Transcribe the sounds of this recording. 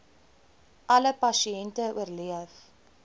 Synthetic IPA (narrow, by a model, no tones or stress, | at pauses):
ʔɐləpɐsiɛntəuərliəf